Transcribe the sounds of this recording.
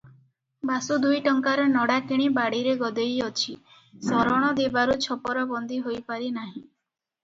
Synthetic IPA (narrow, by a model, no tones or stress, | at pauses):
basud̪ujʈɔŋkaɾɔnɔɽakiɽ̃ibaɽiɾeɡɔd̪ejɔt͡ʃʰi | sɔɾɔɽ̃ɔd̪ebaɾut͡ʃʰɔpɔɾɔbɔnd̪ʱiɦojpaɾinaɦĩ